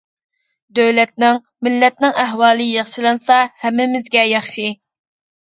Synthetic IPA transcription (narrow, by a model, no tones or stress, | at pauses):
d̪øwlɛt̪̚nɪŋ | mɪlːɛt̪̚nɪŋæɦwɑːlˠɨjɑχʃilˠɑnsɑhɛmːɪmɪzɡʲɛjɑχʃi